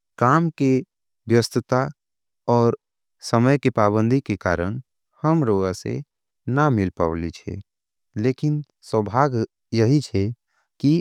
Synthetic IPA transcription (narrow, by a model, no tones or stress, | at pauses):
kaːmke | bjəst̪ət̪a | ɔːɾ | səməjkepaːbə̃nd̪ʱikeka̰ːɾəɽ̃ | həmɾoːɡasḛ | namɪlpə̰ʋlit͡ʃʰɛ̰ | leːkɪn | swəbʱaːɡ | jəɦit͡ʃʰɛ | ki